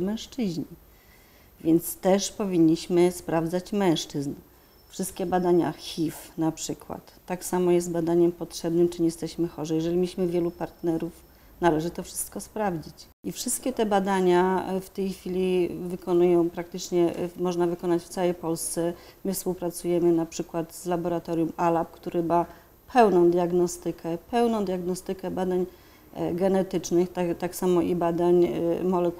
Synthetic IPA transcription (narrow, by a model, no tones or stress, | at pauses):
mɛ̃w̃ʂt͡ʂɘʑɲi | vʲjɛnt̪st̪ɛʂpɔvʲiɲːiɕmɘspɾavd̪zat͡ɕmɛ̃w̃ʂt͡ʂɘzn | fʂɘst̪̚kʲɛbad̪aɲa̰xʲifnapʂɘkwa̰t̪ːaksamɔjɛst̪bad̪aɲɛmpɔtʂɛbnɘmt͡ʂɘɲɛjɛst̪ɛɕmɘxɔʐɛjɛʐɛlʲimʲiɕmɘvʲjɛlupaɾt̪nɛɾuf | nalɛʐɘt̪ɔfʂɘ̥st̪̚kɔspɾavd͡ʑit͡ɕ | ʔifʂɘst̪̚kʲɛt̪ɛbad̪aɲaft̪ɛjxfʲilʲivɘkɔnujɔ̃w̃pɾak̚t̪ɘt͡ʂɲɛmɔʐnavɘkɔnat͡ɕft̪sawɛjpɔlst̪sɛ | mɘfspuwpɾat̪sujɛmɘnapʂɘkwat̪zlabɔɾat̪ɔɾʲjumalap̚kt̪uɾɘma | pʰɛwnɔ̃w̃d̪ʲjaɡnɔst̪ɘkʰɛpɛwnɔ̃w̃d̪jaɡnɔst̪ɘkɛbad̪aɲ | ɡɛnɛt̪ɘt͡ʂnɘxt̪at̪aksamɔʔibad̪aɲmɔlɛk